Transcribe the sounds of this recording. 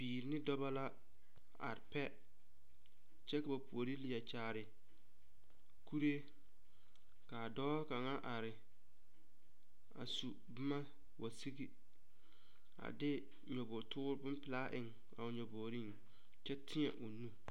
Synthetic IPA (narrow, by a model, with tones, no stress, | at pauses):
biː˨ɾɪ˨˦nɪ˦dɔ˦ba˦la˦ | a̰˨ɾɪ˨pɛ˦ | t͡ʃɛ˦ka˨ba˨pu˨o˨ɾi˦li˨ja˨t͡ʃaː˨ɾɪ˨ | kʰu˦ɾe˦ | ka˨dɔː˦ka˨ŋa˦ʔa˨ɾɪ˨ | a̰˨su˨ | bɪ˦ma˦ | wa˨si˦ɣi˨ | a̰˨dɪ˦ | ɲɔ˨bɔː˨tʰʊ˦ɾbʊ˦m˦pɪ˨laː˦ʔɪ̰˨ŋ | a˨ʊ˨ɲɔ˨boː˨ɾi˦ŋ | t͡ʃɛ˦tʰɪ˦ɲɛ˨ʔo˨nu˦